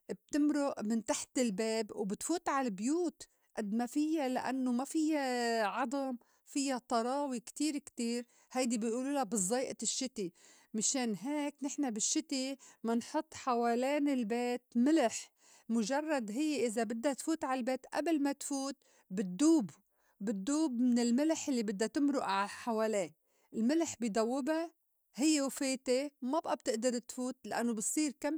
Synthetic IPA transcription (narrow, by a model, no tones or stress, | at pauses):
b̚t̪ɪmɾʊʔmɪnt̪aħt̪ɪlbeːbwbɪt̪fuːt̪ˤʕalabjuːt̪ | ʔad̪mafɪjːalaʔa̰nːomafɪjːaʕɑd̪ˤɑm | fɪjːat̪ˤɑɾˤɑːwikt̪iːɾkt̪iːɾ | hajd̪ibɪʔuːluːlabɨzˤɑːʔaɪʃːɪt̪i | mɪʃeːnɦeːknɪħnabɪʃːɪt̪imɪnħʊt̪ˤːħaweːleːnɪlbeːt̪mɪlɪħ | mʊʒɑrˤːɑd̪ɦɪjːeʔɪzabɪd̪ːat̪fuːt̪ʕalbeːt̪ʔa̰blmat̪fuːt̪̚ | bɪd̪ːuːbː | ɪd̪ːuːbmɪnɪlmɪlħɪlːibɪd̪ːat̪ɪmɾʊʔʕaħaweːleː | ʔɪlmɪlħbid̪ˤɑwːɪba | hɪjːewafeːt̪emabʔab̚t̪ɪʔd̪ɑɾˤt̪fuːt̪laʔa̰nːobɨtsˤiːɾkam